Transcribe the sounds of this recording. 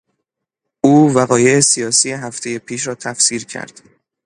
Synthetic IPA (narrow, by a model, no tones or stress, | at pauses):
ʔuːvæɣɒːje̞esijɒːsije̞ɦæft̪ʰe̞je̞pʰiːʃɾɒːt̪ʰæfsiːɾcʰæ̰ɾd̪̥